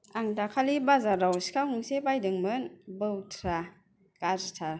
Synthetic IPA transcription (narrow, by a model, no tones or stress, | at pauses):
aŋdakʰalibazaɾawskawhuŋsebajdɯŋmɯnbɯwtʰɾa | kaztʰaɾ